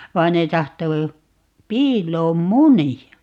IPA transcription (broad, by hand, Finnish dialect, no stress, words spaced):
ʋɑin ne tɑhto piːlˑoːm muniɑ